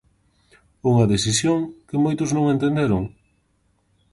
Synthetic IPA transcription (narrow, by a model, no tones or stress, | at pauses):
uŋɐðesisjoŋkɪmojt̪ʊznõŋẽnt̪ẽnd̪eɾʊŋ